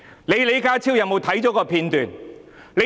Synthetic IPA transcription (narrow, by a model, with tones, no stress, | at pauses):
le˨˧jle˨˧jkaː˥t͡sʰiː˥wjɐ˧wmo˨˧wt̪ʰɐ˨˥jt͡sɔː˨˥kɔː˧pʰiː˧nt̪yː˨nle˨˧